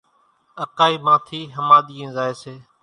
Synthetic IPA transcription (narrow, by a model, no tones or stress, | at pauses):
əkaːiːmãːt̪ʰiːɦəmaːɗ̪iːẽːzaːeːseː